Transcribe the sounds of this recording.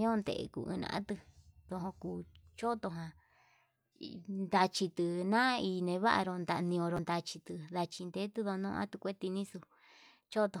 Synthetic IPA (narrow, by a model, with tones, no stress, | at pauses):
ɲ˦õ˦nd̪ḛ˧˨ḛ˧kṵ˨˧˨ɨ̰̃˧nã̰˧ʔã˦t̪ɨ˧ðo˧ɦõ˧kuː˧t͡ʃo˦t̪o˧ɦã˧ | nd̪a˧t͡ʃi˧t̪ɨ˧nã˦˧i˧nẽ˧βa˦ʔa̰˧ɾo˧nd̪a˧ʔnĩ˧õ˧ɾo˧nd̪a˧t͡ʃi˧t̪ɨ˧ða˧t͡ʃi˧nd̪e˦t̪ɨ˦ðo˧nõ̰ː˧ʔã̰˦t̪u˧kʷe˦t̪i˧nĩ˦su˧ | t͡ʃo˦t̪o˧